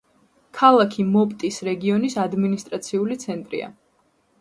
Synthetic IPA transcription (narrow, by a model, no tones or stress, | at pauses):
kʰalˠakʰimɔpʼt̪ʼisɾɛɡiɔnisad̪minist̪ʼɾat̪sʰiulit̪sʰɛnt̪ʼɾḭa̰